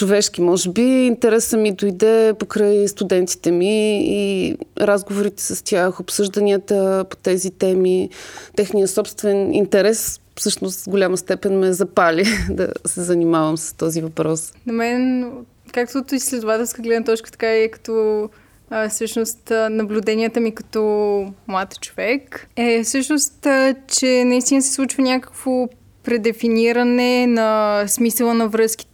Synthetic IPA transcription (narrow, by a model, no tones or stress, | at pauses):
t͡ʃovɛʃk̟imɔʒɛbiint̪ɛɾɛsəmid̪ojd̪ɛpokɾajst̪ud̪ɛnt̪i̥t̪ɛmiː | ɾazɡovoɾit̪ɛ̥səst̪ʲjaxopsɤʒd̪ɐnʲiət̪əpo̥t̪ɛzit̪ɛmit̪ɛxnijəsɔpst̪vɛnḭnt̪ɛɾɛs | fsɤʃnost̪vɡolʲaməst̪ɛpɛnmɛzɐpalʲid̪ɐ̰sɛzɐnimavəmsə̥st̪ɔzivɐpɾɔsnɐmɛn | kak̚t̪ot̪oislɛd̪ʊvat̪ɛlˠskəɡlɛd̪nət̪ɔt͡ʃkə̥t̪ɐ̥kaɛkɐ̥t̪ɔ | sɤʃnost̪nɐblʲud̪ɛniət̪əmikɐ̥t̪ɔmlˠat̪t͡ʃovɛkɛsɤʃnost̪t͡ʃɛnɐist̪inəsɛ̥slˠut͡ʃvənʲakə̥kvo | pɾɛd̪ɛfiniɾɐnɛnɐsmisəlˠənɐvɾɤsk̟i̥